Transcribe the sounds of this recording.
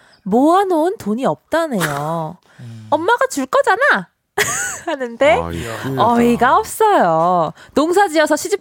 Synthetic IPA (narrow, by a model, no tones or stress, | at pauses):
moɦanoɯntoɲiʌp̚t͡ɕ͈anejo | ʌmːaɡat͡ɕuɭk͈ʌd͡ʑana | anɯnde̞ʌiɡaʌp̚s͈ʌjonoŋs̬ʰad͡ʑiʌsʰʌɕʰid͡ʑi